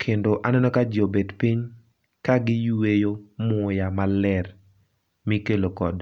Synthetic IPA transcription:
kʰendoʔanɛnɔkad͡ʒɪobedpiɲ | kaɡɪjwejomʊjamalɛr | mikelokɔ̰d

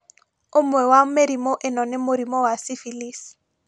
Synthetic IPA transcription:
ʊmwɛwameɾimoʔɪnɔnɪmʊɾimɔwasɪfilis

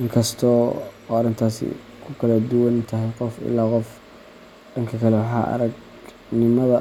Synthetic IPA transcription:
ʔɪŋkʰɐst̪ʰɔːɔːɐɾɪnt̪ʰaːsɪ̰ | kʰʊkʰɐlɐd̪ʊwɐnt̪ʰɐɦɛjqɔfɪ̰lːaːqɔf | ɖɐŋkʰɐkʰɐlɛwɑħɑ̰ːʔɐ̰ɾɐɡ | nɪmɐðɐ

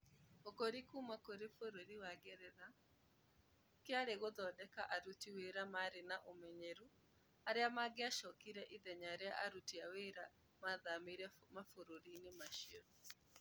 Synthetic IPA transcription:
okoɾikumakoɾefoɾoɾiwaɡɛɾɛða | kɪaɾeɣoðɔdɛkaʔaɾutiweɾamaɾenaʔomɛɲeɾu | aɾeamaɡɪaʃɔkiɾɛʔiðɛɲaɾeaʔaɾutiaweɾa | maðamiɾɛmafoɾoɾinimaʃieɾu

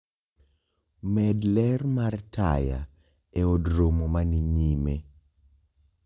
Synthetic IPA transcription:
mɛdlɛrmartʰa̰ja̰ | ɛɔdɾomomaniɲime

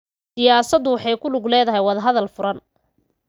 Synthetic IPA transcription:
sɪjaːsɐd̪ʊwɑħɑjkʰʊlʊɡlɛːðɐɦɛjwɑðɐɦɐðɐlfʊɾɐn

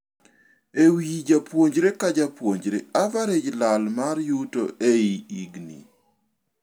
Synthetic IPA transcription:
ewid͡ʒapwoɲd͡ʒɾekad͡ʒapwoɲd͡ʒɾeavaɾed͡ʒlalmaɾjutoʔeiiɡnḭ

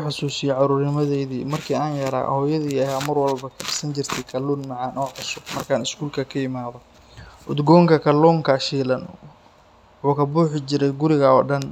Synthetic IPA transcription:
ħɑsuːsɪjɛʕɑɾuːrnɪmɐðɛjðiːmɐrkʰiːaːnjɐɾa̰ːhɔːjɐðiːɛjamɐrwɐlbɐkʰɐdɪsɐnt͡ʃɪrt̪ʰɛjkʰɐluːnmɑʕɑːnʔɔːʕɑsʊmɐrkʰaːnɪskʰuːlkʰɐkʰɐjɪmaːðɔ | ʔʊd̪ɡɔːŋkʰɐkʰɐlɔːŋkʰɐʃiːlɐn | uːkʰɐbuːħɪt͡ʃɪɾɛjɡʊɾɪɣɐɔːɖɐn

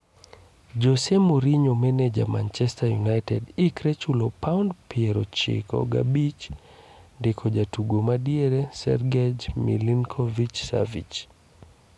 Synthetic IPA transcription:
d͡ʒɔsɛmuɾiɲomɛnɛd͡ʒa̰mant͡ʃɛstajunajtʰɛdikɾɛt͡ʃulɔpʰawndpiɛɾɔt͡ʃḭkɔ̰ɡa̰bit͡ʃ | ndikʰɔd͡ʒatuɡomadiɛɾɛsɛ̰ɾɡɛd͡ʒmḭliŋkʰɔvit͡ʃsa̰vḭt͡ʃ

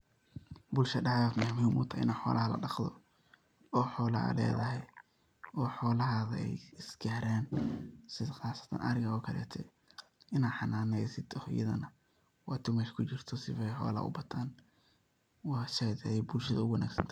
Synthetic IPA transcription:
bʊlʃɐɖɑʕɛjaːd̪mʊhmiːmʔʊt̪ʰɐːʔɪ̰naːħɔːlʔɐhɐlɐ̰ɖɑχd̪ɔ | ɔːħɔːlɐɐ̰lɛ̰ːðɐɦɛj | ɔːħɔːlɐɦaːðɐɛjɪsɡɛːɾaːnsɪðɐχɑːsɐ̥t̪ʰɐ̰nʔɐ̰ɾɪŋɣɐɔkʰɐlɛ̰ːt̪ʰɛ | ɪnaːħɑnaːnɛjsɪd̪ɔhjɐ̰ðɐ̰nɐ | wɑːt̪ʰʊmɛʃkʰʊt͡ʃɪrt̪ʰɔsɪfɛjħɔ̰ːlɐ̰ʔʊ̰bɐt̪ʰaːn | wɑːʃɛjd̪ɛɛjbʊlʃɐðɐʊwɐna̰ːksɐnt̪ʰɐ

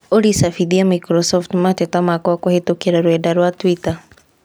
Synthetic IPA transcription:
olisafiðiamikɾɔsɔftmatɛtamakɔakohetokeɾaɾwɛdaɾwatwita

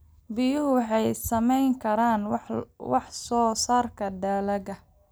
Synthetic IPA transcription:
bɪjʊɦʊwɑħɑjsɐmɛjŋkʰɐɾaːnwɑħsɔːsaːrkʰɐd̪aːlɐɡɐ

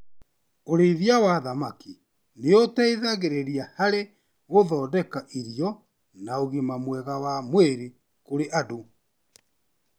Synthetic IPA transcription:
oɾeiðjawaðamaki | neotɛiðaɣeɾeɾiahaɾe | ɣoðɔːdɛkaʔiɾijɔ | naoɣemamwɛɣawamweɾi | koɾeʔado

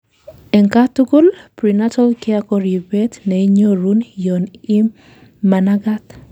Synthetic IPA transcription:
ɛŋkatuɡulpɾinatʰɔlkiakɔɾjubɛtnɛiɲoɾunjɔni | manaɡat̪

